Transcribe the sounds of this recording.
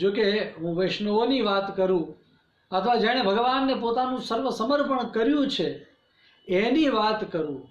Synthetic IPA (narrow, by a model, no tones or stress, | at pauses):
d͡ʒokeɦũʋɪʃnəoniʋat̪kəɾũ | ət̪ʰəʋad͡ʒaɽ̃ebʱəɡʋanːepot̪anũsəɾʋəsəməɾpəɳkəɾjũt͡ʃʰe | eniʋat̪kəɾũ